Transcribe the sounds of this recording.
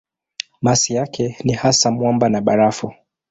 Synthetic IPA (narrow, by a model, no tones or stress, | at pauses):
masijakɛnihasamwɔmbanaɓaɾafu